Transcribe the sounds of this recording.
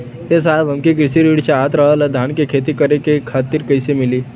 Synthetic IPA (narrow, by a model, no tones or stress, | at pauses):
es̬aːbɦɐmkikɾɪsiɾiːɽt͡ʃeaːt̪ɾəɦalad̪ʱaːnkekʰeːt̪ikəɾekekʰaːt̪iɾkəjsemɪliː